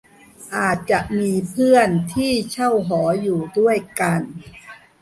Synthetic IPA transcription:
ʔaː˨˩t̪̚t͡ɕa˨˩ʔmiː˧pʰɯ˥˩ənt̪ʰiː˥˩t͡ɕʰa˥˩wɦɔː˩˦juː˨˩du˥˩əjka˧n

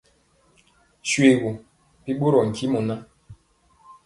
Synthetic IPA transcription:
ʃwe˨ɣu˨ | pi˦ɓo˦ɾɔ˨ŋ̩˨ki˦mu˨na˦

